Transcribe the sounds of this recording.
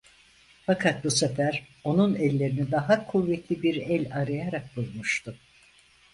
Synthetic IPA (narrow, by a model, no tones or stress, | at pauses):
fakʰat̪̚busefæɾ | o̞nunɛlʲːe̞ɾinid̪aɦakʰuvːɛt̪lʲibiɾɛlʲaɾajaɾak̚bulˠmuʃt̪ʊ